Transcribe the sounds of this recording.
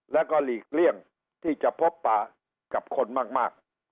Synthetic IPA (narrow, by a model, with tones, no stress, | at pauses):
lɛ˦˥wkɔː˥˩liː˨˩k̚li˥˩əŋ | t̪ʰiː˥˩t͡ɕa˨˩pʰo˦˥pːaː˧ | ka˨˩p̚kʰo˧nmaː˥˩k̚maː˥˩k̚